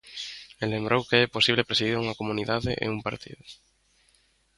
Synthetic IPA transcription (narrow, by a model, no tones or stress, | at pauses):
elembɾowkeɛposiβlepɾesiðiɾauŋɐkomuniðaðḛʔḛumpaɾt̪ḭðʊ